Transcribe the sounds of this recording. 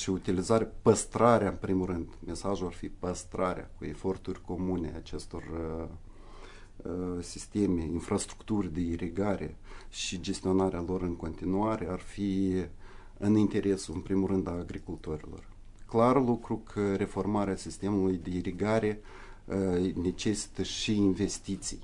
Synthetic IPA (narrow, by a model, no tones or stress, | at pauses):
ʃiut̪ilizaɾʲapəst̪ɾaɾeaɨnpɾimurɨnd̪mʔe̞saʒuarfipəst̪ɾaɾʲea̰kue̞fo̞rt̪urʲko̞mune̞̰at͡ʃe̞st̪o̞r | sist̪e̞me̞infɾast̪ɾu̥kt̪urd̪e̞iɾiɡaɾʔe̞̰ʃid͡ʒe̞st̪io̞naɾealo̞ɾɨŋko̞nt̪inuaɾe̞arfi | ɨnint̪e̞ɾe̞suɨnpɾimuɾɨnd̪aːɡɾikult̪o̞ɾḭlo̞̰r | klarlukɾukʰəɾe̞fo̞rmaɾeasist̪e̞mulujd̪e̞iɾiɡaɾe̞ | ne̞t͡ʃe̞si̥t̪əʃiːnve̞st̪it̪sij